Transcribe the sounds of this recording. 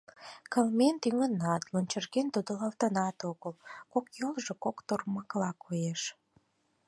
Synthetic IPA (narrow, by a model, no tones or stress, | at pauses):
kəlment̪yŋənɑt̪lonʲt͡ɕərɣent̪ud̪olɑlt̪ənɑt̪oɣəlkokjolʒekokt̪orməklɑkʰojeʃ